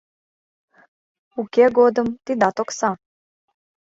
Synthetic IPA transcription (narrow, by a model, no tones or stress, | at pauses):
ukʲeɡod̪ə̆mt̪id̪ɑt̪oksɑ